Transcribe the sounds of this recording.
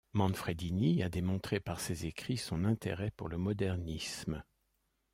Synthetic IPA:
mɑ̃nfχed̪iniad̪emɔ̃t̪χepaʁsezekχisɔ̃nɛ̃t̪ḛʁɛpuʁləmɔd̪ɛʁnism

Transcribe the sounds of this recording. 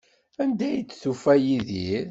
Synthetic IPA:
ænd̪æjət͡sːθufæjiðiɾ

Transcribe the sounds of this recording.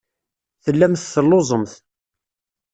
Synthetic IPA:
θəlːæmθθəlːozˤəmθ

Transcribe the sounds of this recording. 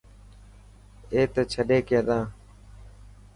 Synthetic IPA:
eːt̪et͡ʃʰəɗeːkẽːd̪ãː

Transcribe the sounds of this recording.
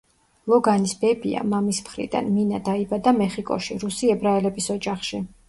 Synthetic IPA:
lˠɔɡanisbɛbḭa̰mamismχɾḭd̪a̰nminad̪aibad̪amɛχikʼɔ̰ʃiɾusiɛbɾaɛlɛbisɔd͡ʒaχʃi

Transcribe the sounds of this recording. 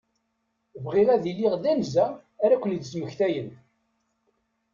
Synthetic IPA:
vʁiʁæðilːiʁðænzæː | ɾækʷːəlid̪snuçθæjən

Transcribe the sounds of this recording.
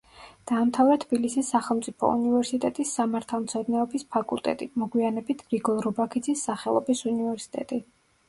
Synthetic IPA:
d̪̥aːmt̪ʰavɾɛt̪ʰb̥ilisisːaχɛlˠmt̪sʼipʰɔ̰ṵnivɛɾsit̪ʼɛt̪ʼisːamaɾt̪ʰalˠmt̪sʰɛd̪nɛɔbispʰakʼṵlˠt̪ʼɛ̰t̪ʼimɔɡwianɛbit̪ʰɾiɡɔlɾɔbakʰid̪zisːaχɛlˠɔbisunivɛɾsi̥t̪ʼɛ̰t̪ʼi

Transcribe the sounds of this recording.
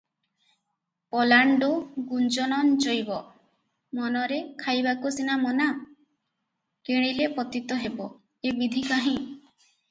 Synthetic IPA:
pɔlaɳɖuɡund͡ʒɔnɔnd͡ʒojbɔ | mɔnɔɾekʰajbakusinamɔna | keɽ̃ilepɔt̪it̪ɔɦebɔ | ebid̪ʱikaɦĩ

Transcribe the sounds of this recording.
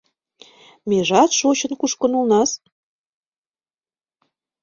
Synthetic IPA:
meʒɑt̪ʃot͡ɕə̆nkuʃkə̆nulnɑs

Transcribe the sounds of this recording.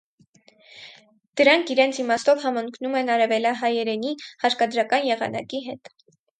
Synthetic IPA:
d̪̥əɾɑŋkʰiɾɛnt͡sʰimɑst̪ɔvhɑməŋkʰnumɛnɑɾɛvɛljɑɦɑjɛɾɛnihɑɾkɑd̪ɾɑkɑnjɛʁɑ̰nɑ̰kiɦɛt̪

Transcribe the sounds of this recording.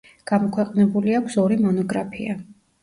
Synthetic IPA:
ɡ̥amɔkʰwɛqʼnɛbuliakʷʰsɔɾimɔnɔɡɾapʰḭa

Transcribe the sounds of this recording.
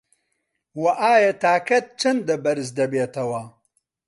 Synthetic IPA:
wɐʔaːjɐt̪aːkʰɐt̪̚t͡ʃʰɐnd̪ɐbɐɾɨz̬d̪ɐbeːt̪ʰɐwɐ

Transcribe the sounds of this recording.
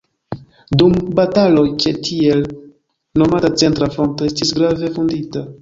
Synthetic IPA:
dumbatalo̞jt͡ʃetʰie̞l | no̞matat͡se̞ntɾafɾo̞ntoe̞stisɡɾave̞fundita

